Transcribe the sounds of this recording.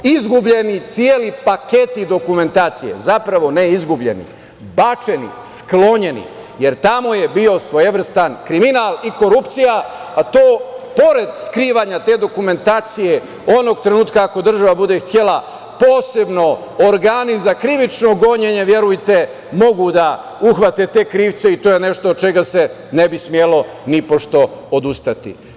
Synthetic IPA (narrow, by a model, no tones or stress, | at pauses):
izɡubʎe̞nit̪sijeːlipake̞t̪id̪o̞kume̞nt̪aːt̪sije̞̰zapɾaʋo̞neizɡubʎe̞̰nḭ | bat͡ʃenḭsklo̞ɲe̞nḭ | je̞ɾt̪amo̞je̞bio̞sʋo̞jeʋr̩st̪ankɾiminaliko̞ɾupt̪sija | at̪oːpo̞ɾe̞d̪skɾiːʋaːɲat̪e̞ːd̪o̞kume̞nt̪aːt̪sije̞ | o̞no̞ɡ̚t̪ɾenuːt̪kaːko̞d̪r̩ʒaʋabud̪ext̪je̞la | po̞ːse̞bno̞ | oɾɡaːnizakɾiʋit͡ʃno̞ɡo̞ɲeɲeʋje̞ɾujt̪e̞ | mo̞ɡud̪a | uxʋat̪e̞t̪e̞ːkɾiːʋt̪se̞it̪oːjene̞ʃt̪ot͡ʃe̞ɡase̞ | nebismjelo̞nipo̞ʃt̪o̞od̪ust̪at̪ḭ